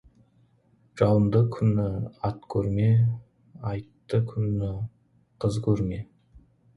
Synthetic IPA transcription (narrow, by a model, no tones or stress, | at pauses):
ʒ̥ɑwəmd̪əkʲʰʏnɪɑt̪kʲʰɵɾme̞ | ɑjt̪ːəkʲʰʏnɪ | qʰəzkʲʰɵɾme̞